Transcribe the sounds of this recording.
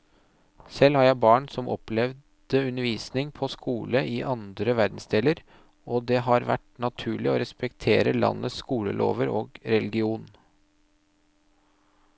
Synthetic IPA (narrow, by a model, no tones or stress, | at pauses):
sɛlhɑɾjæɪbɑːɳsɔmɔplɛʋ | d̪̥əʉnəɾʋiːsnɪŋpʰɔskʰuːləʔɪʔɑnd̪ɾəʋæɾd̪n̩sd̪eːləɾ | ɔd̪eɦɑɾʋæ̰ʈnɑt̪ʰʉːɭɪɔ̰ɾɛspɛkt̪ʰeːɾəlɑ̰nːʔəskuːlə̰lʔo̰ːʋəɾoːɡɾɛlɡɪuːn